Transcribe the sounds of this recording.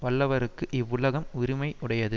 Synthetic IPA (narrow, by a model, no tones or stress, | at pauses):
ʋɐlːɐʋɐɾɯkːɯʔɪʋːʊlɐɣɐmʊɾɪmɐɪʔʊɽɐjɐðɯ